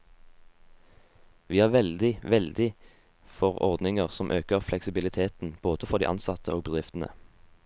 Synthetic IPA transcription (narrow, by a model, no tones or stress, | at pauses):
ʋiːhɑːʁʋɛld̪ɪʋɛld̪ɪ | fɔʁɔ̰ʁd̪nɪŋəʁsɔmʔøːkəʁflɛksɪbɪlɪt̪ʰeːt̪n̩b̥oːd̪̥əfɔʁd̪ḭʔɑ̰nsɑt̪ʰəoːɡ̚bəd̪ʁɪft̪n̩ə̰